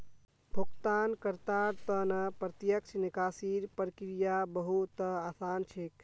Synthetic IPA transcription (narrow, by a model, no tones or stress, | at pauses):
bʱukt̪ankəɾt̪aɾt̪ənəpɾət̪jəkt͡ʃʰnikasiɾpɾkɾijabəɦut̪asant͡ʃʰek